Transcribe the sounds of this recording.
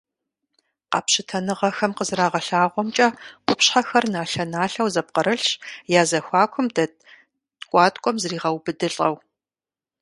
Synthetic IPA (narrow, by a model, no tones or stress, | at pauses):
qɑːpɕɪtʰɐnɨʁɐxɐmqəzɨraːʁɐɬaːʁʷɔmt͡ʃʼɐqʷʊpɕħaxɐrnaːɬɐnaːɬɐwzɐp̚qəɾɨɬɕjaːzɐxʷɑːkʷʰʊmdɐ | kʷʼɑːtʼkʷʼɔmzriːʁɐwbɨdɨɬʼɐw